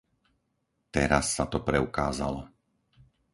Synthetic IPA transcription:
t̪ɛɾasːat̪ɔpɾɛukaːza̰lɔ

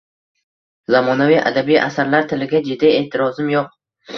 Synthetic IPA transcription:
zamɒnavijʔa̰d̪abijʔa̰saɾlaɾt̪ʰɪlɪɡʲad͡ʒɪd̪ie̞ht̪ʰɪɾɒzɪmjoq̚

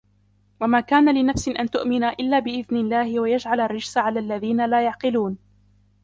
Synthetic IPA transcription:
wamaːkaːnalɪnafsɪʔant̪ʊʔmɪnaʔɪlːaːbɪʔɪðnɪlːaːhɪwajad͡ʒʕalarːɪd͡ʒsaʕalaːlːaðiːnalaːjɑʕqɨluːn

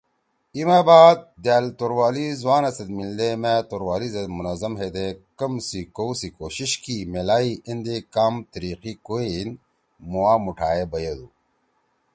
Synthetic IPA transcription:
imaːbaːd̪̚d̪jaːlt̪oɾwaːlizwaːnɐsɐd̪̚mild̪emẽt̪oɾwaːlizɐd̪munɐzɐmɦeːd̪ekɐmsikowsikoːɕiɕkimelaːiʔɐnd̪ekaːmt̪əɾiːqikoen | mowaːmuʈʰaːebɐjed̪uː

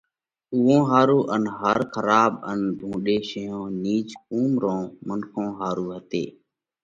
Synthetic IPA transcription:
ʊʋõːɦaːɾuːʔənɦəɾkʰəɾaːɓənbʱũːɗeːʃəjõːniːd͡ʒkuːmɾõːmənkʰõːɦaːɾuːɦət̪ḛː

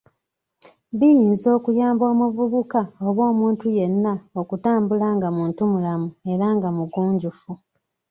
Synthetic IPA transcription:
βijiːnzo̞ːkujaːmbo̞ːmuvuβukaoβo̞ːmuːntuje̞nːao̞kutaːmbulaŋɡamuːntumulamue̞ɾaŋɡamuɡuːɲɟufu

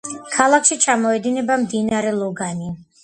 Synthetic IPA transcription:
kʰalˠakʰʃit͡ʃʰamɔɛd̪inɛbamd̪inaɾɛlˠɔɡani

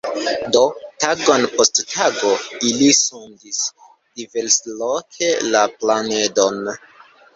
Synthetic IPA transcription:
do̞taɡo̞npo̞sttʰaɡo̞ilisundis | d̥iveɾslokʰelaplane̞don

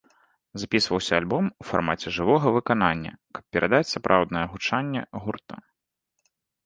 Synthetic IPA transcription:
zapʲisvɐwsʲɐːlʲbɔmufa̰rmat͡sʲɛʐɨvɔɣɐvɨkananʲːɐ̰kɐ̥p̚pʲɛɾad̪at͡sʲsapɾʔawd̪nɐjɛɣut͡ʂanʲːɛ̰ɣurt̪ɐ̰

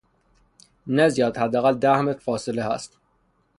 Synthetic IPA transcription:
næzijɒːd̪hæd̪ːææɣæld̪æhmet̪fɒːselehæ̰st̪

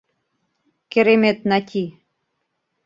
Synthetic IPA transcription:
keɾemet̪nɑt̪ʲʰi

